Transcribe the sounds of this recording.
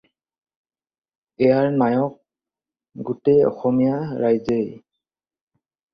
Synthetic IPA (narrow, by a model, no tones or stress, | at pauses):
ɛjaɹnajɔk̚ | ɡutejɔ̰xɔmijaɹajzej